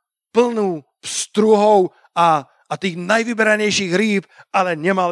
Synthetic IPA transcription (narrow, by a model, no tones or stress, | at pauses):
pl̩nuː | pst̪ɾuɦow | ʔaː | t̪iːxnajvɪbɛɾaɲɛjʃiːxɾiːp̚ʔalɛɲɛma